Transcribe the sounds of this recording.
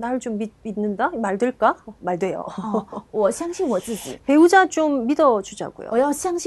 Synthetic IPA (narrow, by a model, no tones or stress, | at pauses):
naɾɯɭt͡ɕomːid̚inːɯndamaɭdɯɭk͈amaɭdwe̞jo̰wʌɕʰjaŋɕʰiŋwʌs͈ɯd͡ʑḭpe̞ud͡ʑat͡ɕomːidʌd͡ʑud͡ʑa̰ɡṵjo̰jɕʰaŋɕʰ